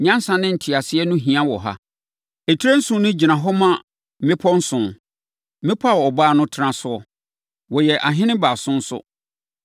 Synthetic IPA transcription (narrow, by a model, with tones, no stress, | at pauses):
ɲã˦n˦sã˨nɪ̃˦n̩˨tʰɪ˨a˨sɪ˦ɛ˦nʊ̃˦ɦĩ˨ã˦wɔ̰˨ɦa̰˦ | e˨tʰi˦ɾẽ˦n̩˦sʊ̃˨˦nɪ̃˦d͡ʑi˨nã˨ɦɔ˦mã˦ | mɪ̃˦pʰɔ˦n̩˦sʊ̃˨˦ | mɪ̃˦pʰa˦˨wɔ˨ɔ˨baː˦˨nʊ̃˦tʰɪ˦ɾã˦sʊ˦ɔ˦ | wɔ˨jɛ˨ʔa˨ɦɪ̃˦nɪ̃˦baː˨sʊ̃˦n̩˦sʊ̰˦